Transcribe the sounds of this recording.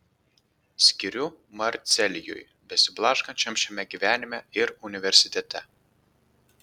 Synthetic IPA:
sʲkʲɪɾʲʊmɐɾʲt̪sʲɛlʲɪjʊ̰j | bʲɛsʲɪblˠɑːʃkɐnʲt͡ʃʲɛmʃʲɛmʲɛɡʲiʋʲæːnʲɪmʲɛɪɾʊnʲɪʋʲɛɾʲsʲɪt̪ʲɛt̪ʲɛ

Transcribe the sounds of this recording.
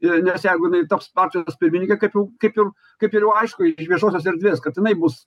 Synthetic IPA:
ɪnʲɛsjɛɪɡʊjɪnɐɪt̪ɐpspɑrʲt͡ʃʲoːspʲɪɾʲmʲɪnʲɪŋʲkʲɛkɐɪpjɛʊkɐɪpjɛʊ | kɐɪpɪɾjɛʊɐɪʃkʊɪʃʋʲiɛʃoːsʲoːs̬ɛɾʲd̪ʲʋʲeːskɐt̪jɪnɐɪbʊs

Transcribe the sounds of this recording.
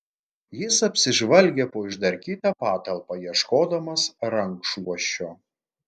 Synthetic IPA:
jɪsɐpʲsʲɪʒʋɐlʲɡʲeːpoːɪʒd̪ɐɾʲkʲiːt̪ɑpɑːt̪ɐlˠpɐjiɛʃkoːd̪ɐmɐsɾɐŋkʃuɔʃʲt͡ʃʲoː

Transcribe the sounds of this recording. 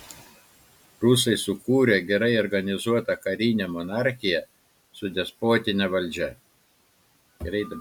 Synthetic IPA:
ɾʊsɐɪsʊkuːɾʲeɡʲɛɾɐɪɔɾɡɐnʲɪzuɔt̪ɐkɐɾʲiːnʲɛmɔnɑˑɾʲxʲɪjɛ | sʊd̪ʲɛspoːt̪ʲɪnʲɛʋɐlʲˑd͡ʒʲɛ | ɾɐɪd̪

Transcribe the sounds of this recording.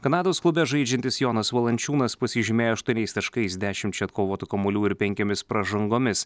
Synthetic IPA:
kɐnɑːd̪oːsklˠʊbʲɛʒɐɪd͡ʒʲɛnt̪ʲɪsjoːnɐsʋɐlˠɐnʲt͡ʃʲuːnɐspɐsʲɪʒʲɪmʲeːjoːɐʃt̪uɔnʲɛɪst̪ɐʃkɐɪsʲd̪ʲæːʃʲɪmt͡ʃʲɛɐt̪koːʋoːt̪ʲʊkɐmʊlʲuːɪɾpʲɛŋʲkʲoːmʲɪspɾɐʒɐŋɡoːmʲɪs

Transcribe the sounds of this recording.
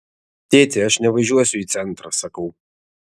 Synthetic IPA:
t̪ʲeːtʰʲɪɐʂnʲɛvɐʒuɔsʲʊit̪sɛnt̪rɐsɐkəw

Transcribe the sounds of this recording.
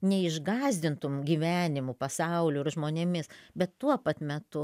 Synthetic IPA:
nʲɛɪʒɡɑːzʲd̪ʲɪnt̪ʊmɡʲiːʋʲæːnʲɪmupɐsɐʊlʲʊɪɾʒmoːnʲeːmʲɪsbʲɛt̪t̪uɔpɐt̪mʲɛt̪ʊ

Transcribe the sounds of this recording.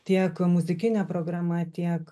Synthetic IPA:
t̪ʲiɛkmʊzʲɪkʲɪnʲɛpɾoːɡɾɑmɐt̪ʲiɛk

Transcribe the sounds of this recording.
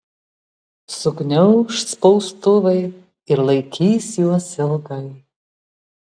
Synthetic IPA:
sʊɡnʲɛʊʃspɔʊst̪ʊʋɐɪ | ɪɾlˠɐɪkʲiːsjuɔsɪlˠɡɐɪ

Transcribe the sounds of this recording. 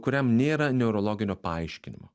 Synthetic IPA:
kʊɾʲɛmnʲeːɾɐnʲɛʊɾɔlˠoːɡʲɪnʲoːpɐɐɪʃʲkʲɪnʲɪ̰mo̰ː

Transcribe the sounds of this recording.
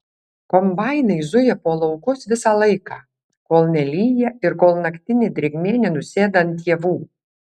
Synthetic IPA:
kɔmbɑˑɪnɐɪzʊjɛpoːlˠɒʊkʊsʋʲɪsɑːlˠɐɪkɑː | koːlˠnʲɛlʲiːjɛɪɾkoːlˠnɐkʲt̪ʲɪnʲɪd̪ʲɾʲeɡʲmʲeːnʲɛnʊsʲeːd̪ɐnt̪ʲːiɛʋuː

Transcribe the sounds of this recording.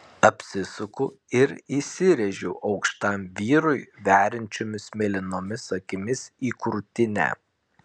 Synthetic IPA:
ɐpʲsʲɪsʊkʊ | ɪɾisʲɪɾʲɛʒʲɛʔɒʊkʃt̪ɐmʋʲiːɾʊɪʋʲæːɾʲɪnʲt͡ʃʲoːmʲɪsmʲɛlʲɪnoːmʲɪsɐkʲɪmʲɪsiːkʊɾt̪ʲɪnʲæ̰ː

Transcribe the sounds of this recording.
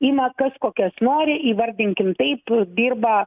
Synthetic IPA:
iːmɐkɐskoːkʲɛsnoːɾʲɪiːʋɐɾʲd̪ʲɪŋʲkʲɪmt̪ɐɪpd̪ʲiːrbɐ

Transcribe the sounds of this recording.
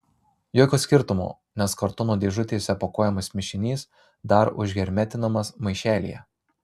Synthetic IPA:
joːkʲoːsʲkʲɪɾt̪ʊmo̰ː | nʲɛskɐɾt̪ʊnoːd̪ʲeːʒʊt̪ʲeːsʲɛpoːkoːjɛmɐsmʲɪʃʲɪnʲiːs | d̪ɐɾʊ̰ʒʲɡʲɛɾʲmʲɛt̪ʲɪnɐmɐsmɐɪʃʲæːlʲḭjɛ̰

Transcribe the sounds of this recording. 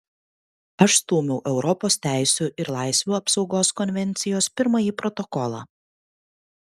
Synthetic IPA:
ɐʃst̪uːmʲɛʊʔɛʊɾɔpoːst̪ʲæˑɪsʲuːʔɪɾlˠɑˑɪsʲʋʲuːɐpsɒʊɡoːskɔnʲʋʲɛnʲt̪sʲɪjoːspʲɪɾmɐjiːpɾɔt̪ɔkɔlˠɑ̰ː

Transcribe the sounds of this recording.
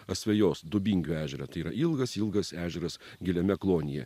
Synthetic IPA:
ɐsʲʋʲɛjoːsd̪ʊbʲiŋʲɡʲuːæːʒʲɛɾɐt̪ɐɪiːɾɐ̰ʔilˠɡɐsilˠɡɐsæːʒʲɛɾɐs | ɡʲɪlʲɛmʲɛklˠoːnʲɪjɛ̰

